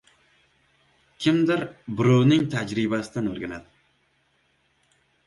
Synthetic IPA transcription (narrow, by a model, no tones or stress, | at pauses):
kʲʰɪmd̪ɪɾbɪɾownɪŋt̪ʰad͡ʒɾibasɪd̪anɵɾɡʲanad̪ɪ